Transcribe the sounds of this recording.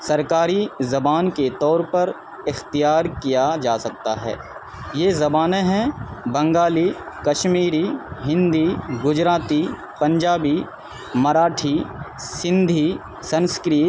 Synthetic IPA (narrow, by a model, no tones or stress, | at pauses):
sɐɾkaːɾizɐbaːnket̪ɔːɾpɐɾ | ɪxt̪ijaːɾkijad͡ʒaːsɐk̚t̪a̰ɦɛ̰ː | jeːzɐbaːnẽɦɛ̃bɐ̃ŋɡaːli | kɐʃmiːɾiɦɪ̃nd̪iːɡʊd͡ʒɾaːt̪i | pɐ̃ɲd͡ʒaːbi | mɐɾaːʈʰi | sɪ̃nd̪ʱi | sɐ̃nskɾiː